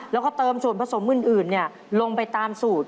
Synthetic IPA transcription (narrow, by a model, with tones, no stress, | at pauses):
lɛː˦˥wkɔː˥˩t̪ɤː˧msu˨˩ənpʰa˧so˩˦mːɯ˧˩nʔɯː˨˩nːi˥˩ɐə | lo˧ŋpa˧jt̪aː˧msuː˨˩t̪̚